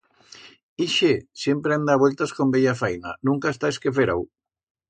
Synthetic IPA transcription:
iʃesjempɾeemd̪aβwelt̪askombeʎafajna̰nũŋkaest̪aeskefeɾa̰w

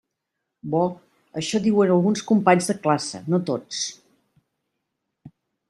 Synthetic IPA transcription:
bɔ | əʃɔðiwənəlˠɣunskumpaɲzðəklasə̰not̪ot͡s

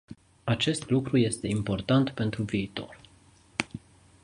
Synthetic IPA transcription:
at͡ʃe̞st̪lukɾuje̞st̪e̞impo̞rt̪ant̪pe̞nt̪ɾuviːt̪o̞̰r

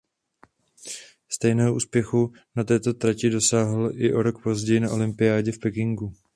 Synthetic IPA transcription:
st̪ɛjnɛːɦoṵːspjɛxu | nat̪ɛːt̪o̞t̪ɾacɪdo̞saːɦl̩ʔɪʔo̞ɾo̞kpo̞zɟɛjɪnaʔo̞lɪmpɪjaːɟɛfpɛkɪŋɡu

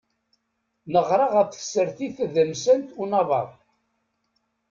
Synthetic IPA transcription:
nəʁɾˤɑʁæfθə̥səɾθiθðəmsənt̪unɑðˤɑ̰ðˤ

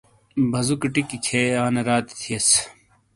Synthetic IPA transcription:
bʱɐzukɐʈikit͡ɕʰeaːnɐɾaːt̪i̥t̪ʰiɐs

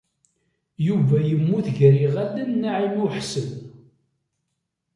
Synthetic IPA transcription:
juvæjəmːuθʝɾiʁædənːaʕimuħsəl

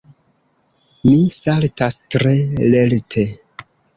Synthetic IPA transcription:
misaltastɾe̞le̞ltʰe̞

